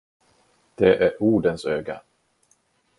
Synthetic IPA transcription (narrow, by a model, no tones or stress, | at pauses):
d̪̥ɛʔæɾuːɖənsøːɡa